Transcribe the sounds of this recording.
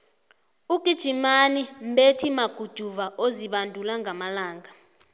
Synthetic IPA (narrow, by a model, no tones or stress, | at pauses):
uɡ̥ʼʱid̥ʒ̥ʱimanim̩ɓetʰimaɡ̥ʱud̥ʱuvaʔoziɓandʱulaŋɡʱamalaːŋɡʱa